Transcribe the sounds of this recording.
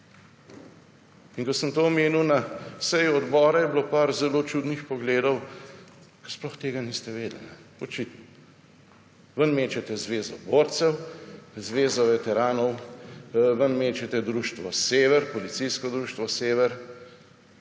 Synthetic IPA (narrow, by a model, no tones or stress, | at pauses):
inkɔsəmt̪oɔmeːniwnasɛjuɔd̪bɔːɾajɛblopaɾzɛlot͡ʃud̪nixpɔɡleːd̪ɔw | kɛsplɔxt̪eːɡanist̪ɛʋeːd̪lnɛɔt͡ʃit̪nɔ | ʋənmeːt͡ʃɛt̪ɛzʋeːzɔboːɾt̪sɛwzʋeːzɔʋɛt̪ɛɾaːnɔw | ʋənmeːt͡ʃɛt̪ɛd̪ɾuːʃt̪ʋɔseːʋɛɾpɔlit̪sijskɔd̪ɾuːʃt̪ʋɔseːʋɛɾ